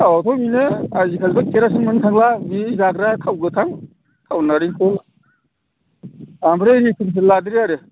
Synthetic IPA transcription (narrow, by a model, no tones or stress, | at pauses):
awat̪ʰɔmineazikʰazbakʰeɾas̬ɯnmɯnkʰaŋlabizaɡɾakʰawɡɯtʰaŋ | kʰawnaɾiŋkʰul | ambɾenikʰɯns̬ɯladɾiaɾe